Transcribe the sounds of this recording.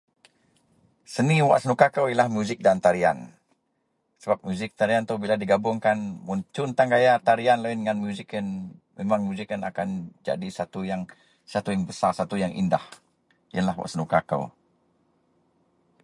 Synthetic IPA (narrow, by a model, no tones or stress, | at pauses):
səniwa̰ʔsənukakəwlahmjuzɪk̚dant̪aɾia̰n | səbap̚muzɪk̚t̪aɾiant̪uhbiladiɡabʊŋkanmuɲt͡ʃʊnt̪aŋɡajat̪aɾianlainŋanmjuzikənmemaŋmuzikəna̰kand͡ʒa̰disat̪ujaŋ | sat̪ujaŋbəsarsat̪ujaŋʔḭndah | ijalahwa̰ʔsənukakə̰w